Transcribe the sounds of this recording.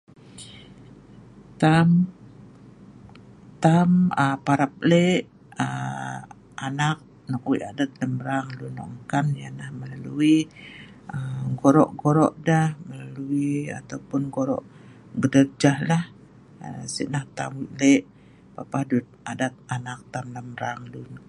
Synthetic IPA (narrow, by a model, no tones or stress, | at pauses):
t̪am | t̪aməpaɾap̚leʔ | ə | ʔanak̚ | nɔk̚wiʔadat̪̚ləmbəɾaŋlunɔ̰ʔŋkamjanahməlalui | əɡoɾɔʔɡoɾɔ̰ʔdahməlaluia̰t̪awpʊnɡoɾɔ̰ʔ | ɡədərd͡ʒahlah | ə̰sḭʔnaht̪a̰mwiʔleʔ | papahdut̪̚adat̪̚anak̚t̪amləmɾaŋlun